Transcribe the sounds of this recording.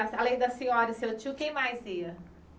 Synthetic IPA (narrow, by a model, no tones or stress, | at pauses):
ɾɐsalẽj̃d̪ɐsĩɲɔɾɐset͡ʃiʊkẽj̃majziɐ